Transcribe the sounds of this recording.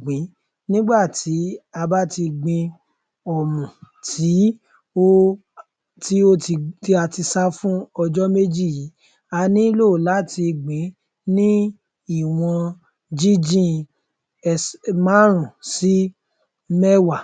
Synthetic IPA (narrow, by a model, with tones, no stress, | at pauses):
ɡ͡bĩ˨˦ | nĩ˦ɡ͡ba˦˨ti˨˦a˧ba˦ti˧ɡ͡bĩ˧ | ɔ˨mũ˨tʰi˨˦ | o˦ | ti˦o˦i˧ti˦a˧ti˧sa˦fũ˦ɔ˧d͡ʒɔ˦me˦d͡ʒi˦˨ji˨˦ | a˧nĩ˦lo˦˨la˨˦ti˧ɡ͡bĩ˨˦ | nĩ˦ | i˦˨w̃ɔ̃˧ | d͡ʒi˦d͡ʒĩ˦˧ | mã˦ɾ̃ũ˨si˦ | mɛ˦wa˦˨